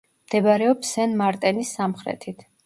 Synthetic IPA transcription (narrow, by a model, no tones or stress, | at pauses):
md̪̥ɛbaɾɛɔpsɛnmaɾt̪ʼɛnisːamχɾɛ̰t̪ʰit̪ʰ